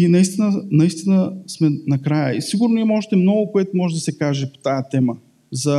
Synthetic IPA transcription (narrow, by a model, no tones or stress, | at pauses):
inɐist̪inənɐist̪inəsmɛnɐkɾajəisiɡʊɾnoimɔʒɛt̪ɛmnɔɡʊkoɛt̪ʊmɔʒɛd̪ɐsɛkaʒɛpo̥t̪ajət̪ɛmə | zɐ